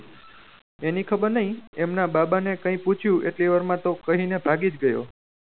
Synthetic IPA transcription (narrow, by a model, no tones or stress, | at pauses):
enikʰəbəɾnəɦĩemnababanekə̃ĩput͡ʃʰjũʔeʈliʋəɾmãt̪okəɦinebʱaɡid͡ʒɡəjo̰